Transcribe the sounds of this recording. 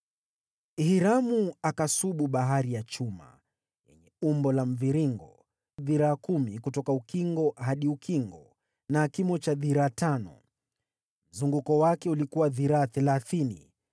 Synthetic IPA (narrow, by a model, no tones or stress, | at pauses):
hiɾamuakasuɓuɓaɦaɾijat͡ʃuma̰ | jɛ̰ɲɛumbɔlam̩viɾiŋɡɔ | ðiɾaːkumikutɔkaukiŋɡɔhaɗiukʰiŋɡɔ | nakimɔt͡ʃaðiɾaːtanɔ̰ | m̩zuŋɡukɔwakɛulikuwaðiɾaːθɛlaθinḭ